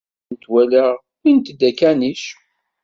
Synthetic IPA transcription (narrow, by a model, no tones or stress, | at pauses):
nt̪wæləʁ | int̪d̪ækæniʃ